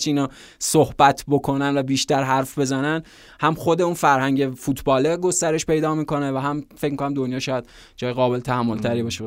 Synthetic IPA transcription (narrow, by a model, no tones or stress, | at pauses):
t͡ʃʰiiːnɒː | sohbæt̪ʰbo̞kʰo̞nænvæbiːʃt̪æɾɦæɾfbe̞zænæn | hæmχod̪e̞unfæɾhæɲɟefuːt̪ʰbɒːleɡo̞st̪æɾe̞ʃpe̞jd̪ɒːmiːko̞nevæɦæmfecʰmikʰonæmd̪onjɒːʃɒːjæd̪ | d͡ʒɒːjeɣɒːbelet̪ʰæhæmːolt̪ʰæɾiːbɒːʃe